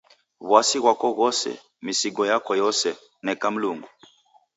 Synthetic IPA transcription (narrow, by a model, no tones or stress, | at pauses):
βwasiɣwakɔɣɔsɛ̰ | misiɡɔjakɔjɔsɛ | nɛkam̩luŋɡu